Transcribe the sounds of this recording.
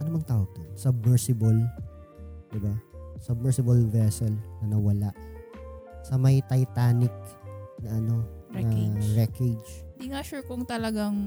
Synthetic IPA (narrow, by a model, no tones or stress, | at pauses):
ʔɐnomɐŋt̪aːwɐɡ̚d̪onsɐb̚mɛɹsɪbɐl | d̪̥ɪbasɐb̚mɛɹsɪbɐlvɛsɛlnɐnɐwɐlaʔ | sɐmɐjt̪ɐjt̪aːnɪk̚nɐʔɐno̞ɐɾɛked͡ʒɪd̪iŋaʃuɹkʊŋt̪ɐlɐɡaŋ